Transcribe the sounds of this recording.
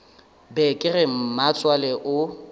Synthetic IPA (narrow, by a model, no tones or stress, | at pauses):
bɛkʼɪrɪm̩mat͡sʼwalɛʔʊ